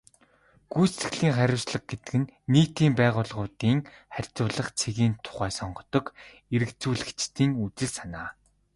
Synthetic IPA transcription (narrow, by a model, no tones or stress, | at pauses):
ɡ̥ujsɘ̆ɣɮiːŋχæɾʲʊwsɮə̆k̚ɡet̪ɘ̆kɘ̆nːiːt̪iːmpæːʁʊːɮʁʊːt̪iːŋ | χærʲt͡sʊːɮə̆χt͡sʰeɣiːnt̪ʰʊ̥χæːsɔɴɢɞ̆t̪ɞ̆k | eɾɘ̆kt͡suːɮɘ̆kt͡ɕt̪ʰiːŋut͡sɘ̆ɮsanaː